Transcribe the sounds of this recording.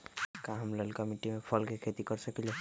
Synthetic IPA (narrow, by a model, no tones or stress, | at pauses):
kaɦamlɔlkamiʈimepʰɔlkekʰet̪ikɔɹsəkilɛ